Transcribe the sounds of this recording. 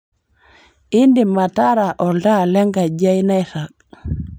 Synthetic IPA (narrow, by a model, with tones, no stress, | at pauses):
i˦ndi˨ma˨taɾa˨ʔɔ˨lda˦lɛ˦ŋɡa˨d͡ʒa˦jna˦jta˨k̚